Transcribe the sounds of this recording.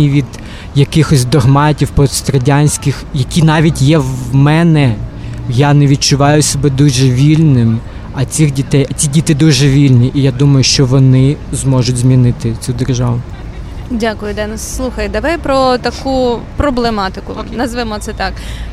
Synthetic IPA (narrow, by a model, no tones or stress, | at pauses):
iʋʲid̪ | jɐkɪxɔsʲd̪ɔɦmɑtʲiwpɔst̪ɾɐdʲanʲsʲkɪxjɐkʲinɑʋʲitʲjɛwmɛnɛjanɛʋʲid̪̚t͡ʃʊʋɑjʊsʲɔbɛd̪uʒɛʋʲilʲnɪm | ɐt͡sʲixdʲit̪ɛjɐt͡sʲidʲit̪ɪd̪uʒɛʋʲilʲnʲiʔijad̪umɐjʊʃt͡ʃɔʋɔnɪzmɔʒʊtʲzʲmʲinɪt̪ɪt͡sʲud̪erʒɑʋʊ | dʲakʊjʊd̪ɛnɐsːlˠuxɐjd̪ɐʋajpɾɔt̪ɐkupɾɔblˠemɑt̪ɪkʊnɐzʋɪmɔt̪sɛt̪ɑk